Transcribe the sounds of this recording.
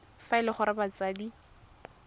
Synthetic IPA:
faɪlɪχʊɾɪbat͡sʼaːdi

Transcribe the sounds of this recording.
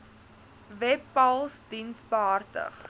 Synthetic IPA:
vɛpːɐlˠsdinsbəɦɐrtə̰χ

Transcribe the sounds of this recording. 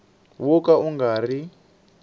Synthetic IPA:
wɔkauŋɡaːri

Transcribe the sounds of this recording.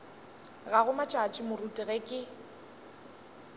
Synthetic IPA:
ɣaɣʊmat͡ʃʼat͡ʃʼɪmʊrutʼɪɣɛkʼɪ

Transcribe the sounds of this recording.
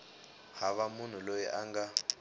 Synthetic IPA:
haβamun̤ulojɛ̰ʔaŋɡa

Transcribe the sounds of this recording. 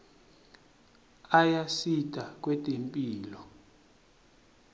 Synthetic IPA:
ajasitʼak̬ʼwɛtʼempʼiːlɔ

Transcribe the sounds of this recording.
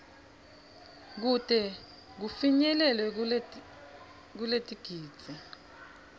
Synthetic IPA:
k̬utʼɛ | k̬ufiɲɛlɛlwɛ | k̬uletʼiɡ̥ʱiːd̥t͡sʼɛ

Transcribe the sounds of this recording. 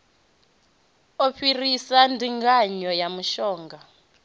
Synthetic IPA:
ɔɸirisandʱiŋɡaɲɔjamuʃɔːŋɡa

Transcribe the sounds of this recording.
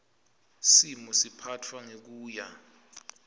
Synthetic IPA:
simɔsipʰatʰwaŋek̬uːja

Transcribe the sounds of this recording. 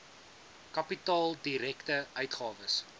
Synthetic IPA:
kɐpitɑːlˠdiɾɛktəœɥtχɑːvəs

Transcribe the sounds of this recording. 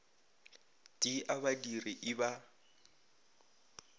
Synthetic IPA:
tʼiʔaβadiriʔɪba

